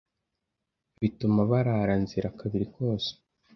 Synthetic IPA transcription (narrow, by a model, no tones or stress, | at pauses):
βitumaβaɾaɾanziɾakaβiɾiko̞ːse̥